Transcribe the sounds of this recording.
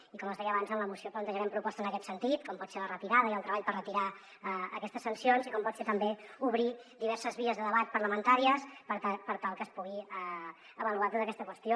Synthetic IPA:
ikɔməzðɛjəːβanzənləmusioplənt̪əʒɾɛmpɾupɔst̪ənəkɛt̪sənt̪it̪kɔmpɔt̪selərət̪iɾaðəiəlˠt̪ɾəβaʎpərrət̪iɾa | əə̰kɛst̪əsːənsionzikɔmpɔt̪set̪əmbeuβɾid̪iβɛɾsəzβiəzðəðəβat̪̚pəɾləmənt̪aɾiəspəpəɾt̪alˠkəspuɣiə | əβəluat̪ot̪əkɛst̪əkwəst̪jo

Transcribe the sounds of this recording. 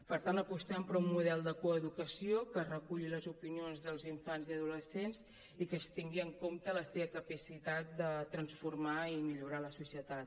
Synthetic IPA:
pəɾt̪ant̪əpust̪ɛmpɾummːuðɛlˠd̪əkuəðukəsiokərəkuʎiləzupinionzðəlˠziɱfanziəð̞uləsenz | ikəst̪iŋɡiəŋkomt̪ələseβəkəpəsit̪at̪̚d̪ət̪ɾənsfuɾmaimiʎuɾaləsusiət̪at̪̚

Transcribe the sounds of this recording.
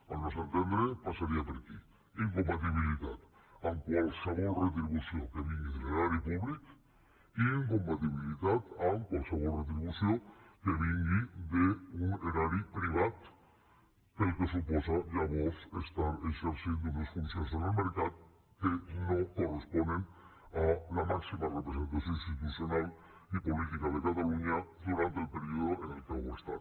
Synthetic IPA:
alnosant̪end̪ɾepasaɾiapeɾaki | iŋkompat̪̬iβ̞ilit̪at̪ | aŋkwalsaβolret̪ɾiβusjokeβiŋɡiðeeɾaɾipuβlik | iŋkompat̪iβilit̪at̪aŋkwalsaβolret̪̬ɾiβusjokeβiŋɡid̪euŋeɾaɾipɾiβat̪ | kelkes̬uposaʝaβosest̪aɾekseɾsjend̪onesfunsjas̬enelmeɾkað | keno̞ko̞respond̪en | alamaksimarepɾes̬e̞nt̪asjonist̪it̪usjo̞nal | ipo̞lit̪ikaðe̞kat̪aluɲad̪uɾant̪eːlpeɾioðoʔenelkaβoest̪a̰ɾ

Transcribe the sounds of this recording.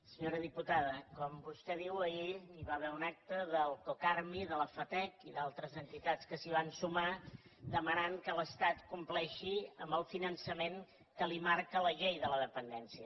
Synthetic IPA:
səɲoɾəðiput̪aðəkɔmbust̪ɛðiwəiliβaβɛunak̚t̪əðəlˠkokarmiðələfət̪ɛkiðalˠt̪ɾəzənt̪it̪at͡skəsiβ̞ansumad̪əmənaŋkələst̪at̪kumplɛʃiəmbəlˠfinənsəmeŋ | kəlimaɾkələʎejðələðəpənd̪ɛnsiə

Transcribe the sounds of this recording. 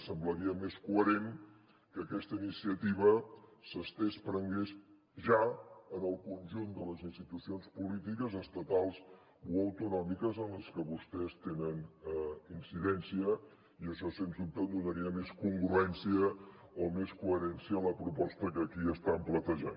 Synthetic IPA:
səmbləɾiəmeskuəɾen | kəːkɛst̪əinisiət̪iβ̞əsəst̪espɾəŋɡes | ʒaənəlˠkunʲʒund̪ələzinst̪it̪usionspulit̪ikəzəst̪ət̪alˠs | uəwt̪unɔmikəzənləskəβust̪ɛst̪enən | insiðɛnsiə | iəʃɔsenzðup̚t̪əd̪unəɾiəmeskuŋɡɾuɛnsiə | omeskuəɾɛnsiələpɾupɔst̪əkəkiəst̪amplət̪əʒa̰n

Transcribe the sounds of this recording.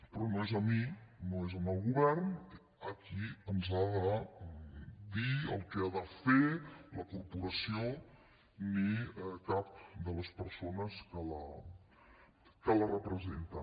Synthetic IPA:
pɾɔnoezəminoezəməlˠɣuβɛrn | əkiənzaðə | d̪iə̰lˠkɛaðəfeləkuɾpuɾəsio | nikap̚d̪ələspəɾsonəskələ | kələrəpɾəzent̪ə

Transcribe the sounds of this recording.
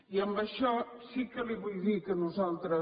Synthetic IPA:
iɐmbɐʃɔ | sikəliβujðikənuzalˠt̪ɾɐ

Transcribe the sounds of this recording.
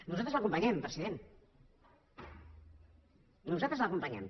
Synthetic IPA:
nuzat̪ɾzləkumpaɲɛmpɾəziðen | nuzat̪ɾəzləkumpəɲɛm

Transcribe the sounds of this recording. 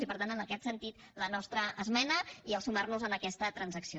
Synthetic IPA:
zipəɾt̪anənəkɛt̪sənt̪it̪ | lənɔst̪ɾəəzmɛnəiəlˠsumarnuzənəkɛst̪ət̪ɾənzəksio

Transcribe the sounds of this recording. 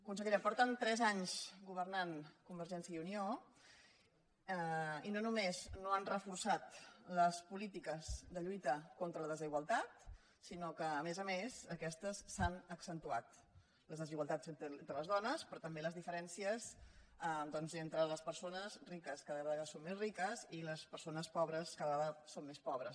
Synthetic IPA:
kunsəɣiɾɛmpɔɾt̪ənt̪ɾɛzaɲzɡuβ̞ərnankumbəɾʒɛnsiəiunio | inonumeznoanrəfursat̪ləspulit̪ikəzd̪əʎujt̪əkont̪ɾələðəziɣwəlˠt̪at̪ | sinokəːmezəmezəkɛst̪əsːanəksənt̪ua̰t̪ | ləzðəziɣwəlˠt̪azenənt̪ɾələzðɔnəspɾɔt̪əmbeləzðifəɾɛnsiəzad̪ɔnzent̪ɾələspəɾsonəzrikəskaðəəðɣasommezrikəziləspəɾsonəspɔβɾəskaðəðasommespɔβɾəs

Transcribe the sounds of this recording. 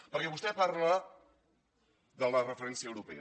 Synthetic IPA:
pəɾkɛβust̪ɛpaɾlə | ðələrəfəɾɛnsiəwɾupɛ̰

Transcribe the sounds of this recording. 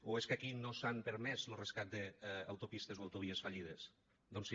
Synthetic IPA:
oeskakinosampeɾmɛzloreskat̪̚d̪ea̰wt̪opist̪ezoawt̪oβ̞iesfaʎið̞es | d̪ons

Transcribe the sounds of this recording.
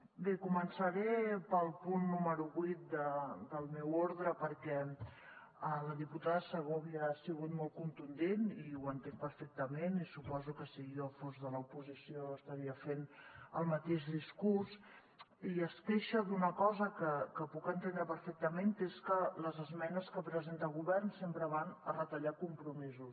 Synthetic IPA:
bekumənsəɾepəlˠpunːuməɾuβit̪̚d̪əd̪əlˠmewoɾðɾəpəɾkɛ | ələðiput̪aðəsəɣoəβiəsiɣut̪mɔlˠt̪̚kunt̪und̪eniwənt̪eŋpəɾfɛk̚t̪əmenisupɔzukəsiɣjofozðələupuzisioəst̪əɾiəfenəlˠmət̪eʃðiskurs | iəskeʃəðunəkɔzəkəkəpukənt̪end̪ɾəpəɾfɛk̚t̪əmenkeskələzəzmɛnəskəpɾəzent̪əlˠɣuβɛrnsempɾəβanərət̪əʎakumpɾumizus

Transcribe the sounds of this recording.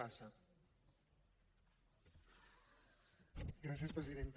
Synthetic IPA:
asa | ɡɾasjespɾeziðent̪

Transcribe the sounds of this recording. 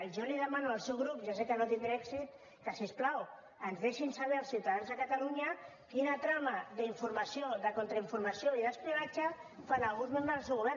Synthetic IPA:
ʒoliðəmanualˠsɛwɣɾupʒasekənot̪iŋbɾɛksit̪ | kəsesplaw | ənzðeʃinsaβɛɾalˠsiwt̪aðanzðəkat̪aluɲakinat̪ɾamaðəiɱfuɾmasioðəkont̪ɾaiɱfuɾmasioiðəspləβat͡ʃafanalˠɣunzmẽmbɾəzəlˠsewɣuβɛ

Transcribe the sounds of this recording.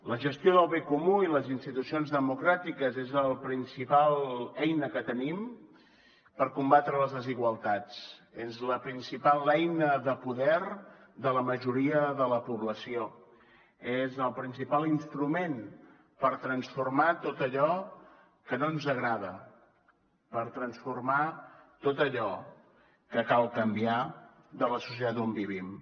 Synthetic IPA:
ləʒəst̪joðəlˠβekumuiləzinst̪it̪usionzðəmukɾat̪ikəzezəlˠpɾinsipalˠɛjnəkət̪ənim | pəɾkumbat̪ɾələzðəziɣwəlˠt̪at͡sezləpɾinsipalˠɛjnəðəpuðɛrd̪ələməʒuɾiəðələpuβləsio | ezəlˠpɾinsipalˠinst̪ɾumen | pəɾt̪ɾənsfurmat̪ot̪əʎɔ | kənonzəɣɾaðə | pəɾt̪ɾənsfurmat̪ot̪əʎɔ | kəkalˠkəmbia | ðələsus̬iət̪at̪ombiβ̞im

